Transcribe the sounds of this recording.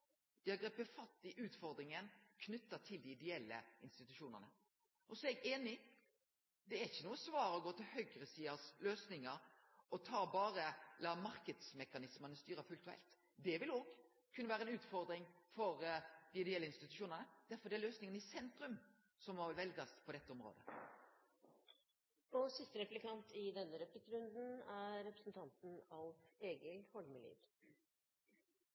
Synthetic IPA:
d̪̥ɪhɑɡʁɛpəfɑt̪ːɪʔʉːt̪fɔɾd̪ɾɪŋənkʰnʉt̪ːət̪ʰɪld̪ɪɪd̪ɛɛlːə̰ɪnst̪ɪt̪ʉʃuːnəʁnə | ʔɔsɔɛɡeːnɪ | d̪ɛæɪçːənuːəsʋɑːɾɔɡoːt̪ʰɪlhœɡɾəsiːəsløːsnɪŋəɾ | ɔt̪ʰɑːbɑːɾəlɑːmɑɾkəd̪smɛkɑnɪsmənəst̪yːɾəfʉlt̪ʉɛ̰lt̪ | d̪ɛʋɪloːɡ | kʰːʉnːəʋæːʁəɛnʉːt̪fɔɾd̪ɾɪŋfɔɾd̪ɪɪd̪ɛɛlːəɪnst̪ɪt̪ʉʃuːnənəd̪̥æɾfɔd̪ɛɛløːsnɪŋənɪsɛnt̪ɾʉm | sɔmɔʋlʋɛlɡɑspʰɔd̪ɛt̪ːəɔmʁo̰ːd̪ə | ɔsɪst̪əɾɛplɪkʰɑnt̪ʰɪd̪ɛnːəɾɛplɪkːɾʉnd̪n̩æɾɛpɾəsn̩t̪ʰɑnt̪n̩ɑʋeːɡəlhɔlməlḭːd̪

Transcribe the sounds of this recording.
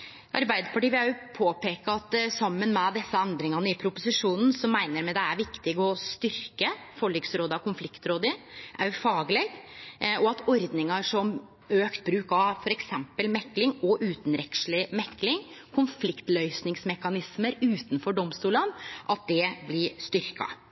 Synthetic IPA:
ʔɑɾbæɪd̪əpʰɑʈiːʋɪɑjʊpʰoːpeːkɑt̪sɑmːənmɛd̪ɛsːəɛnd̪ɾɪŋɑnəɪpʰɾʊpʊsɪʂuːnn̩sɔmːæɪnəɾmɛd̪ɛæɾʋɪkt̪ɪɡɔst̪ʏɾkəfɔɭːiɡsɾoːd̪ɑkʰʊnflɪkt̪ɾoːd̪əʔæɾfɑːɡlɛɡɔɑt̪ʰɔɾd̪nɪŋɑʂɔm | øːkt̪̚bɾʉːkɑfɔɾɛksɛmpəlmɛkːlɪŋɔʔʉːt̪n̩ɾɛkʂlɪmɛkːlɪŋkʰʊnflɪkt̪lœʏsnɪŋsmɛkːɑnɪsməɾʉːt̪nfɔɖɔmst̪uːlənʔɑt̪̚d̪ɛblɪʂt̪ʏɾkɑ̰

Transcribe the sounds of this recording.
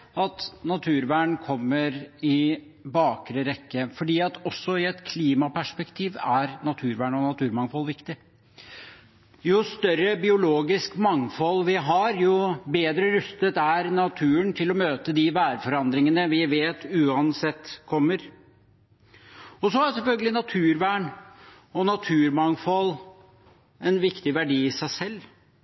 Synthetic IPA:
ɑt̪nɑt̪ʰʉːɾʋæːɳkʰɔmːəɾɪ | bɑːkɾəɾɛkːəfɔɖiːɑt̪ɔsːɔɪɛt̪kʰliːmɑpæʂpɛkt̪ʰiːʋæɾnɑt̪ʰʉːɾʋæːɳɔnɑt̪ʰʉːɾmɑŋfɔlʋɪkt̪ɪ | jʊst̪œɾːəbɪʊloːɡɪskmɑŋfɔlʋɪɦɑɾjʊbeːd̪ɾəɾʉst̪ət̪æɾnɑt̪ʰʉːəɳt̪ʰɪlɔmøːt̪əd̪ɪʋæːɾfɔɾɑnd̪ɾɪŋənəʋɪʋeːt̪ʉːɑnsɛt̪ːkʰɔmːəɾ | ɔsɔæsɛmfœlɡəlɪnɑt̪ʰʉːɾʋæːɳ | ɔnɑt̪ʰʉːɾmɑŋfɔl | ɛnʋɪkt̪ɪʋæɖiːɪsæɪsɛlː

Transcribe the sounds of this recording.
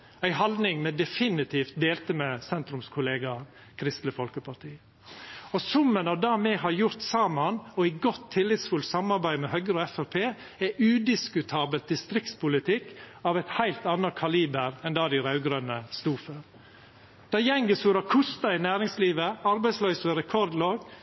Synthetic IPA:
æɪhɑld̪nɪŋmɛd̪ɛfɪnɪt̪ʰiːft̪̚d̪eːlt̪əmɛsɛnt̪ɾʉmskʰʊleːɡɑ | kʰɾɪst̪ləfɔlkəpʰɑʈʰiː | ɔsʊmːənɑd̪ɑːmɛhɑɾjʊɾt̪sɑːmɑnɔæɪɡɔt̪ʰːɪlːɪt̪sfʉlt̪sɑmɑɾbæɪmɛhœɡəɾɔɛfæɾpʰeː | ɛʔʉːd̪ɪskʉt̪ʰɑːbəlt̪̚d̪ɪst̪ɾɪkt̪spʊlɪt̪ʰɪkːɑʋɛt̪hæɪlt̪ɑnːɑkʰɑliːbəɾɛnd̪ɑːd̪ɪɾɑʉɡɾœnəst̪uːføːɾ | d̪̥ɑːjɛŋɡəsʉɾɑkʰʊst̪ɑɪnæːɾɪŋsliːʋəɑɾbæɪslœʏsəɾɛkʰɔɾd̪loːɡ

